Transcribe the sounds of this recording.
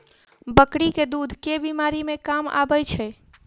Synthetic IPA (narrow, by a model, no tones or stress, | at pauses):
bəkɽiked̪ud̪ʱkebimaɾimekama̰bəjt͡ʃʰɛ